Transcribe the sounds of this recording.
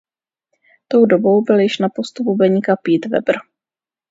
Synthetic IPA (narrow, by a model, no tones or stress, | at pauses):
t̪o̞wdo̞bo̞wbɪljɪʃnapost̪upubɛɲikapiːt̪vɛ̰br̩